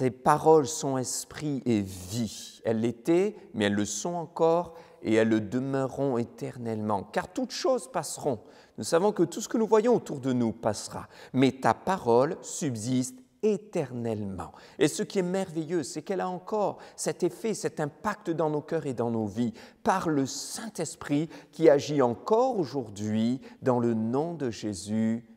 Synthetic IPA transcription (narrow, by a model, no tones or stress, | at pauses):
sepaʁɔlsɔ̃ɛ̃spχiʔeviɛlːet̪ɛmɛɛlːəsɔ̃ɑ̃kɔʁ | eɛlːəd̪əmœʁɔ̃et̪ɛʁnɛlmɑ̰̃kaʁt̪ut̪ʃozpasʁɔ̃ | nusavɔ̃kət̪usə̥kənuvwajɔ̃ot̪uʁd̪ənupasʁa̰mɛt̪a̰paʁɔlsybzist̪ | et̪ɛʁnɛlmɑ̰̃ | esəkʲiɛmɛʁvejøsɛkɛlaɑ̃kɔʁsɛt̪efɛsɛt̪ɛ̃pak̚t̪d̪ɑ̃nokʲœʁed̪ɑ̃novipaʁləsɛ̃t̪ɛspχikʲiaʒiɑ̃kɔʁoʒuʁd̪ɥid̪ɑ̃lənɔ̃d̪əʒezy